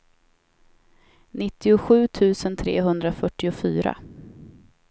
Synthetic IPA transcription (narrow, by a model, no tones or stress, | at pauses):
nɪt̪ːɪʊɧʉ̟ːt̪ʰʉ̟ːsənt̪ʰɾḛːɦɵnd̪ɾafœʈːɪʊfyːɾa̰